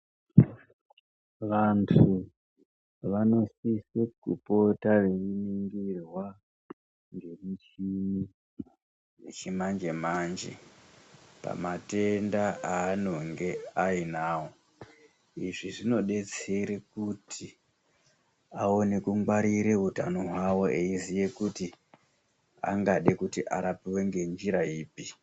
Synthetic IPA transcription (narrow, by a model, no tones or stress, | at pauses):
ʋantʰu | ʋano̞sisekṵpo̞tareriniŋɡirwa | ŋɡe̞mit͡ʃini | et͡ʃemand͡ʒe̞maːnd͡ʒe̞̰ | pa̰mate̞ndaaːno̞ŋɡe̞ainaːwo̞ | iʐiʐino̞ɗe̞t͡se̞ɾekutʰi | ao̞nekuŋɡwaɾiɾe̞ɦutanoɦwawo̞eizije̞kuti | a̰ŋɡaɗekutiʔa̰ɾapiweŋɡe̞nd͡ʒiɾaiːpi